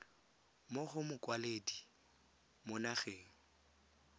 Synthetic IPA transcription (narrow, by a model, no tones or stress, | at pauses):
moɣʊmʊkʼwaledi | mʊnaɣeːŋ̩